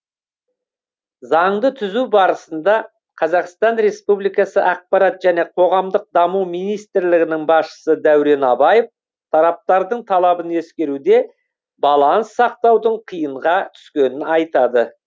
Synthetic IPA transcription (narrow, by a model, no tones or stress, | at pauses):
zɑɴd̪ət̪ʰʏzubɑɾəsənd̪ɑ | qʰɑzɑqst̪ɑnɾe̞spublˠijkɑsəʔɑq̚pɑɾɑt̪ʒæne̞qʰo̞ʁɑmd̪əq̚d̪ɑmuwmijnijst̪ɪɾlɪɡʲɪnɪŋbɑsʃə̥səd̪æwɾe̞nɑbɑjəf | t̪ʰɑɾɑp̚t̪ɑɾd̪əɴt̪ʰɑlˠɑbəne̞skʲe̞ɾud̪e̞ | bɑlˠɑnsːɑq̚t̪ɑwd̪əɴqʰijəɴʁɑt̪ʰʏ̥skʲe̞nɪnɑjt̪ɑd̪ə